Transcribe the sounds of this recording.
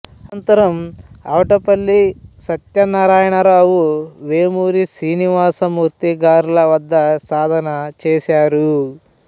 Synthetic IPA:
ɐnt̪ɐɾɐmɐwʈɐpɐlːisɐt̪jɐnaːɾaːjɐɳɐɾaːʋuʋeːmuːɾisiːniʋaːsɐmuːɾt̪iɡaːɾulɐʋɐd̪ːɐsaːd̪ʱɐnɐt͡ʃeːsaːɾu

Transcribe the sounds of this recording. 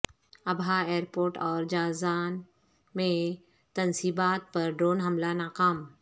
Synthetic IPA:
ɐbʱaeːəɾpoːɾʈɔːɾd͡ʒaːzaːn | mẽ | t̪ɐnsiːbaːt̪̚pɐɾɖɾoːnɦɐmlanaːkaːm

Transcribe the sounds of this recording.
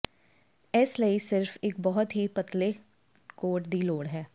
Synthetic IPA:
ɛːsləisɪɾfek̚bɔɦʊt̪ɦipɐt̪le | koːʈd̪iːloːɽɦɛː

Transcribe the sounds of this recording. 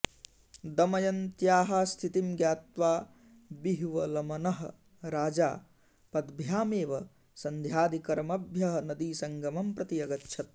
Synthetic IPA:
d̪ɐmɐjɐnt̪jaːɦaːst̪ʰit̪imɡjaːt̪ʋaː | biɦʋɐlɐmɐnɐɦɐ̰ | ɾaːd͡ʒaː | pɐd̪bʱjaːmeːʋɐ | sɐnd̪ʱjaːd̪ikɐɾɐmɐbʱjɐɦɐ̆nɐd̪iːsɐŋɡɐmɐmpɾɐt̪ijɐɡɐtːʃʰɐt̪̚

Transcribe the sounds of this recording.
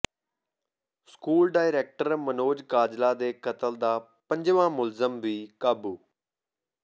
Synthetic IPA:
skuːlɖaːɪɾeːk̚ʈəɾmənoːd͡ʒkaːd͡ʒlaːd̪eːkət̪əld̪aː | pəɲd͡ʒʋãːmʊlzəmʋiːkaːbuː

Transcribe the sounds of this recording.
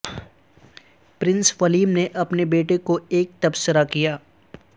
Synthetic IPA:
pɾɪ̃nsfɐliːmneʔɐpnebeːʈekoeːk̚t̪ɐbsəɾakijaː

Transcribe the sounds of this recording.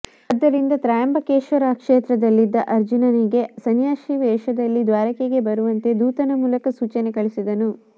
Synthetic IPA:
ɐd̪ːɐɾind̪ɐt̪ɾaːjɐmbɐkeːʃʋɐɾɐkʂeːt̪ɾɐd̪ɐlːid̪ːɐʔɐɾd͡ʒunɐniɡe̞sɐnjaːʃiʋɛːʃɐd̪ɐlːid̪ʋaːɾɐkeɡe̞bɐɾuʋɐnt̪e̞d̪uːt̪ɐnɐmuːlɐkɐsuːt͡ʃɐnekɐɭisid̪ɐnu

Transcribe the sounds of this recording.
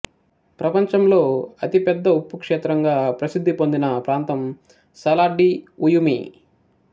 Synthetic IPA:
pɾɐpɐɲt͡ʃɐmlo̞ːɐt̪ipɛd̪ːɐupːukʂɛːt̪ɾɐŋɡaːpɾɐsid̪ʱːipond̪inɐpɾaːnt̪ɐm | sɐlaːɖiujumḭ

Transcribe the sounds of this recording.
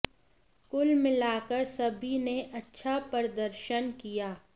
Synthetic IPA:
kʊlmɪlaːkəɾsɐbʱineʔɐtːʃʰapɐɾd̪əɾʃənkijaː

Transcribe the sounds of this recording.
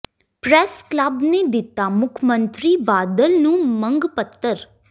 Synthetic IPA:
pɾɛskləbneːd̪ɪt̪ːaːmʊkʰmə̃nt̪ɾiːbaːd̪əlnũːmə̃ŋɡpət̪ːəɾ

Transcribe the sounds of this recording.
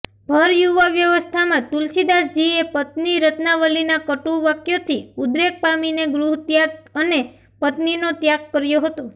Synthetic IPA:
bʱəɾjuʋaʋjəʋəst̪ʰamãt̪ulsid̪asd͡ʒiepət̪niɾət̪naʋəlinakəʈuʋakjot̪ʰiud̪ɾek̚pamineɡɾuɦt̪jaɡəne | pət̪ninot̪jaɡkəɾjoɦət̪o

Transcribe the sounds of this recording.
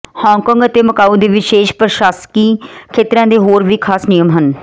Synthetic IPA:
hɔ̃ːŋkɔ̃ːŋɡət̪eːməkaːud̪eːʋɪʃeːʃpəɾʃaːskiːkʰeːt̪ɾãːd̪eːɦoːɾʋiːkʰaːsnijəmɦən

